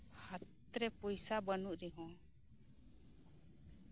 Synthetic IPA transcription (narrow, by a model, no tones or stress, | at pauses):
hat̪ | ɾɛpɔjsabənuʔɾɛɦɔ̃